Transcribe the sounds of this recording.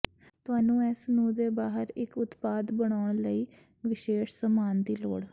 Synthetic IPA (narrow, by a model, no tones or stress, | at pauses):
t̪ʊaːnũːɛːsnũːd̪eːbaːɦəɾɪkʊt̪paːd̪bəɳaːʊɳləiː | ʋɪʃeːʃsəmaːnd̪iːlo̰ːɽ